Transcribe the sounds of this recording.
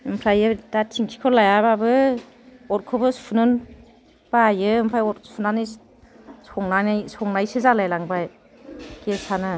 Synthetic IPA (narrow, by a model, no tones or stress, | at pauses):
ɯmpʰɾajɯdatʰiŋkʰi̥kʰɔlajababɯ | ɔt̚kʰɔbɯspʰunɯn | b̥ajɯɯmpʰɾajɔtspʰunanij | sɔŋnanjsɔŋnajsɯzalajlaŋbaj | kesanɯ